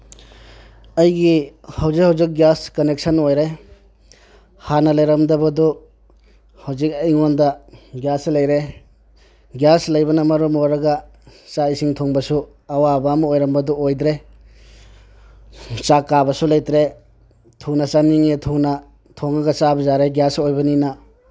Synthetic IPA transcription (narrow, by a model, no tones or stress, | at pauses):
ɐjɡihɐwzikhɐwzik̚ɡjaskɐnek̚sɐnojɾe | hanɐlɐjɾɐmdɐbɐdu | hɐwzik̚ɐjŋondɐɡjaslɐjɾe | ɡjaslɐjbɐnɐmɐɾumoɾɐɡɐt͡ʃaisiŋtʰoŋbɐsu | ɐwabamɐojɾɐmbɐduojdɾe | t͡ʃakːabɐsulɐjtɾe | tʰuŋnɐt͡ʃaniŋetʰuŋna | tʰoŋaɡɐt͡ʃabɐzaɾeɡjasojbɐninɐ